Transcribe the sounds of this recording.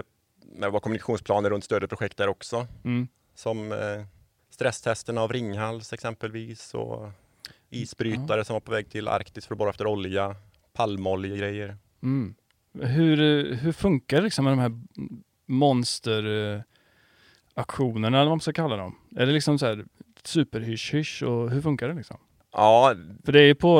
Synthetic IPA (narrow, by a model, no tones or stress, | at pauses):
mɛvaːkʰɔmːɵnɪkaɧuːnspʰlɑːnəɾɵnt̪st̪øːd̪əpʰɾʊɧɛk̚t̪̚hæːɾɔksɔ | sɔm | st̪ɾɛst̪ʰɛst̪əɳaːvɾɪŋːhalsɛksɛmpəlviːsɔ̰ | iːsbɾyːt̪aɾəsɔmvaɾpʰɔvɛːɡ̚t̪ʰɪla̰ɾkt̪ɪsk̪fœɾɔbɑːɾaɛft̪əɾɔlja | pʰalmɔljəɡɾɛjːəɾ | m̩ː | ɦɵɾɦɵɾfɵŋkaɖɛlɪksɔmːɛd̪ɔmhæːɾ | mɔnst̪əɾ | akɧuːnəɳaɛlːəvamaskakʰalːad̪ɔ̰m | æɖɛlɪksɔmsɔhæːɾ | sʉ̟ːpəɾhʏʂhʏʂɔɦɵɾfɵŋkaɖɛlɪksɔ̰m | ʔɑːfœɖɛæɾjɵpʰɔ